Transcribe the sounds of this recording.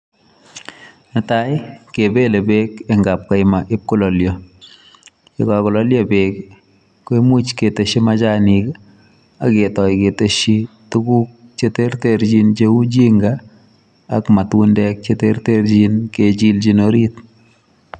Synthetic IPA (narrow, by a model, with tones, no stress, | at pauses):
ne˨ta˦jke˨be˦le˨be˦ke˨ŋɡa˨p̚ka˨jma˨ʔɪ˦p̚kʊ˦lɔ˨ljɔ˨ | e˨ka˨kɔ˨lɔ˦ljɔ˨be˨k | ke˦mu˦t͡ʃke˨te˨ʃi˦ma˦t͡ʃa˦nik | a˨ke˨tɔ˨jke˨te˦ʃi˦tu˦ku˦k̚t͡ʃe˦te˦rteɾt͡ʃi˦nt͡ʃe˦u˦d͡ʒi˦ŋɡaː˨ | kma˨twu˦ndɛk̚t͡ʃe˦te˦rte˦ɾd͡ʒi˦nke˨t͡ʃi˦ld͡ʒi˦noɾi˦t